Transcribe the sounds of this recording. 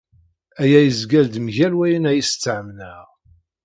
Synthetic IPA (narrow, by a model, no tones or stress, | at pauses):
æjæjəzɡæld̪mʝælwæjənæjist͡sːʕəmnæʁ